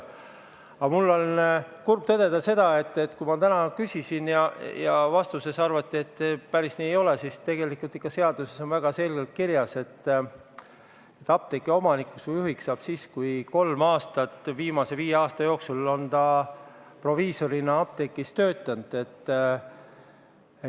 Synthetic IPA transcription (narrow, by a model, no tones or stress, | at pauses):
ɑmulːo̞lkurb̥̚t̪ɤd̪̥e̞d̪̥ɑse̞d̪̥ɑe̞t̪ːe̞t̪ːkujmɑt̪ænɑkysʲisinjɑjɑvɑst̪use̞sɑrvɑt̪ːˑie̞t̪ːepæɾisniːejo̞lesist̪e̞ɡ̥e̞likːˑult̪ːikːˑɑse̞ɑd̪̥use̞so̞nvæɡ̥ɑse̞lɡ̥elt̪̚kiɾjɑse̞t̪ː | et̪ːˑɑp̚t̪ekːˑio̞mɑnikːˑusvujuɦiksɑːb̥siːskujko̞lmɑːst̪ɑt̪ːviːmɑse̞viːjeɑːst̪ɑjo̞ːksulo̞nt̪ɑ | pro̞viːso̞ɾinɑɑp̚t̪e̞kːist̪ø̞ːt̪ˑːɑnd̪̥e̞t̪ː